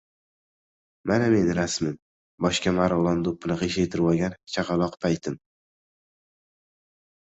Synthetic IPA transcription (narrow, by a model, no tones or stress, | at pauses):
maname̞nɾasmɪm | bɒʃkʲamaɾlˠɒnd̪opʰːɪnɨqeʃet̪ʰɪɾwaɡʲant͡ʃʰaqɑlˠɒqpʰajt̪ʰɪm